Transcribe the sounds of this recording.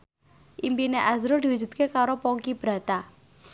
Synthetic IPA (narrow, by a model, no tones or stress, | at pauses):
ʔimpineʔazɾod̪i̤wud͡ʒṳt̪̚kekaɾopɔŋkib̥ɾä̤t̪a